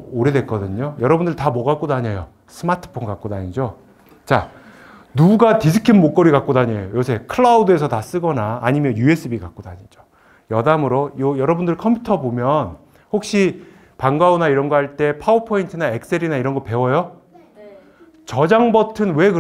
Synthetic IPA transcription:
oɾe̞dwek͈ʌdɯɲojʌɾʌbundɯɭtamʌɡak͈odaɲejo | sʰɯmatʰɯ̥pʰonɡak͈odaɲid͡ʑo | t͡ɕa | nuɡuɡatis̬ʰɯ̥kʰinmok͈ʌɾiɡak͈odaɲejojosʰe̞kʰɯɭːaudɯe̞sʰʌtas͈ɯɡʌnaːɲimjʌnjue̞s͈ɯbiɡak͈odaɲid͡ʑo̥ | jʌdamɯɾojojʌɾʌbundɯɭkʰʌmpʰutʰʌbomjʌn | hok̚ɕ͈i | paŋɡaunaiɾʌnɡʌhaɭt͈e̞pʰaupʰointʰɯnaek̚s͈eɾinaiɾʌnɡʌpe̞wʌjo | t͡ɕʌd͡ʑaŋbʌtʰɯnwe̞kɯ

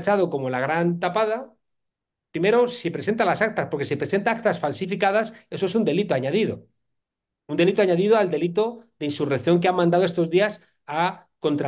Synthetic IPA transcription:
t͡ʃaðo̞ko̞mo̞laɣ̞ɾant̪apaða | pɾime̞ɾo̞sipɾese̞nt̪alasak̚t̪aspo̞ɾkes̬ipɾe̞se̞nt̪aak̚t̪asfalsifikað̞ase̞soe̞sund̪e̞lit̪oaɲað̞ið̞o̞̰ | und̪e̞lit̪oaɲaðiðoald̪e̞lit̪o̞ðe̞insurekθjo̞ŋkeamːãnd̪aðoest̪o̞zðias | ako̞nt̪ɾa

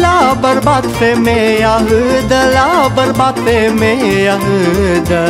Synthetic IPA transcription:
labɐɾbaːd̪semẽjaɦɯd̪əlabɐɾbaːt̪emẽjaɦɨd̪ə

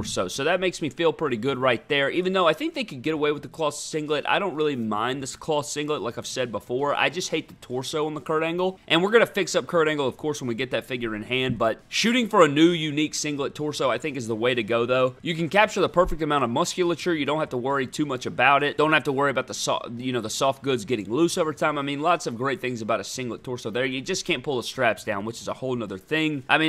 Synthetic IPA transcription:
soʊsoʊðɨt̚meɪksmifilˠpʰɹ̥ɪɾiɡʊd̚ɹaɪt̪̚ðə˞ivɨ̃n̩ðoʊaɪθɪ̃ŋk̚ðeɪkɨd̚ɡɛɾəweɪwəðəkʰl̥ɔθsɪ̃ŋɡlɨtʔa̰ɪɾõʊ̃nt̚ɹɪlˠimã̰ɪ̃nðɨskʰl̥ɔθsɪ̃ŋɡlətˡlaɪkaɪv̥sɛd̚bəfɔɹa̰ɪd͡ʒʌst̚heɪt̪̚ðɨtʰɔɹsoʊə̃nðəkʰɜ˞ɾæ̃ŋɡl̩ˠʔɨ̃nwɨɹɡʌnɨfɪksʌp̚kʰɜ˞ɾæ̃ŋɡl̩ˠʌv̥kʰɔɹswə̃n̩wiɡɛt̪̚ðɨtfɪɡjə˞ɨ̃nhæ̃nd̚bʌt̚ʃʉɾɪ̃ŋfə˞ɨnʉjʉniksɪ̃ŋɡlˠətʰɔɹsoʊaɪθɪ̃ŋkɨzðəweɪɾɨɡoʊðoʊjɨkɨ̃n̩kæp̚t͡ʃə˞ðəpʰɜ˞fɨk̚tɨmãʊ̃ñʌvmʌskjl̩ˠət͡ʃə˞jɨɾõʊ̃n̚thæftəwɜ˞itʰʉmʌt͡ʃɨbaʊɾɪt̚d̥õʊ̃nthæftəwɜ˞iɨəbaʊt̪̚ðəsjɨnoʊðəsɔft̚ɡ̥ʊdzɡɛɾɪ̰̃ŋlusoʊvə˞tʰãɪ̃maɪmĩnlɑtsʌvɡɹeɪt̪̚θɪ̃ŋzɨbaʊɾɨsɪ̃ŋlˠətʰɔɹsoʊðə˞jɨd͡ʒʌskʰæ̃npʰʊlˠəstɹ̥æpsd̥ãʊ̃nwɨt͡ʃɨzəhoʊlˠnʌðə˞θɪ̃ŋʔaɪmĩn

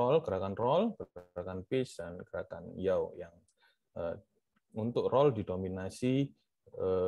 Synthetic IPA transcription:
ɔlkəɾakanrɔlkəɾakanpɪsdanɡəɾaka̰njawjaŋ | ə | unt̪ʊk̚rɔldidominasi | ə

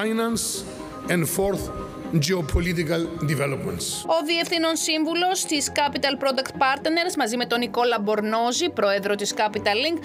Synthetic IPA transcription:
ajnãns | ɛ̃ndfoɾθ | d͡ʒeopʰolit̪ikɐld̪ivɛlopmẽntso̞ðie̞fθino̞nsiɱvulo̞st̪iskɐpit̪ɐlpɾo̞d̪ɐkt̪̚pɐɾt̪ne̞ɾzmɐzime̞t̪o̞niko̞lɐbo̞ɾno̞zipɾo̞e̞ðɾo̞t̪iskɐpit̪ɐlːiŋɡ

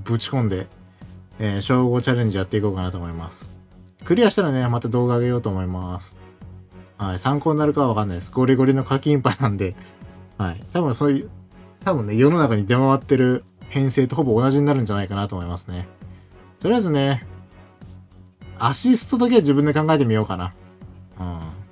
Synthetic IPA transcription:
bɯ̟t͡ɕi̥kõ̞nd̪e̞ | ɕo̞ːɡo̞t͡ɕaɾẽ̞ɲ̟d͡ʑijat̪ːeiko̞ːkanat̪oːmo̞imasɨ̥ | kɯ̟ɾʲijaɕi̥t̪aɾane̞mat̪ad̪o̞ːɡaːɡe̞jo̞ːt̪o̞ːmo̞imasɨ̥ | haisãŋkoːnnaɾɯ̟kaβaβakanːaid̪esɨɡo̞ɾʲiɡo̞ɾʲino̞kakʲĩmpainãnd̪e̞haḭt̪abɯ̟̃ɰ̃so̞not̪abɯ̟nːe̞jo̞no̞nakaɲ̟id̪e̞maβat̪ːe̞ɾɯ̟hẽ̞ɰ̃se̞ːt̪o̞ho̞bo̞ːnaʑiɲ̟inaɾɯ̟ɲ̟d͡ʑanaikanat̪o̞ːmo̞imasɨne̞ | t̪o̞ɾeezɨne̞ | aɕisɨ̥t̪od̪ak̬e̞βaʑibɯ̃nd̪e̞kãŋɡae̞t̪̬e̞mʲijo̞ːkana | ɯ̟̃ː

